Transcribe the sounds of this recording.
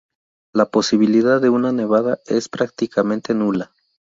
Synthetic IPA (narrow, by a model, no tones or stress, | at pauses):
lapo̞siβiliðaðːe̞unane̞β̞aðae̞spɾak̚t̪ikamẽ̞nt̪e̞nula